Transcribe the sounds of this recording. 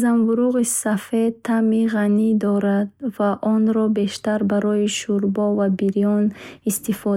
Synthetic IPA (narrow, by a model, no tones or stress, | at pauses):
zamvuɾuʁisafet̪ʰːamiʁanid̪ɔɾad̪vaʔɔnɾɔbe̞ʃt̪aɾbaɾɔiʃuɾbɔvabiɾijɔnist̪ifɔ